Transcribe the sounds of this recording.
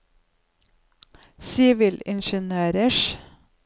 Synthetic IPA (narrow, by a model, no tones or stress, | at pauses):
siːʋɪlɪ̰nʃənøːɾəʃ